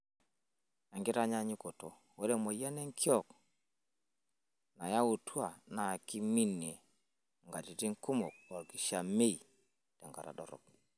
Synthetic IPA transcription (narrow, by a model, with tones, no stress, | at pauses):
a˨ŋɡi˦ɾa˦ɲa˦ɲi˦ko˨to˨ | wo˦ɾe˦mo˨jɛ˦nɛ˦ŋkʰjɔ˦˨k | na˨ja˦u˨twa˨na˨ki˦mi˦ne˨ | ŋɡa˨ti˨ti˦ŋku˦mo˨k̚ɔ˨ɾki˨ʃa˨me˦i˨ | tɛ˨ŋɡa̰˨ɾa̰˨dɔ̰˨ɾɔ̰˨k